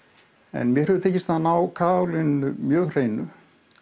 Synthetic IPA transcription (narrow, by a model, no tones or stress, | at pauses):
ɛ̰nmjɛɾœðʏt̪ʰeːjcɪst̪ʰaðnaːwkʰaːlɪnʏmjœːɣr̥eːjnʏ